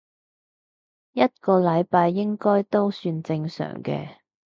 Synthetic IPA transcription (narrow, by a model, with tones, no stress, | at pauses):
jɐ˥t̚kɔː˧lɐ˨˧jpaː˧jːɪ˥ŋkɔː˥jt̪o˥wsyː˧nt͡sɪ˧ŋsœ̰ː˨˩ŋkɛ̰ː˧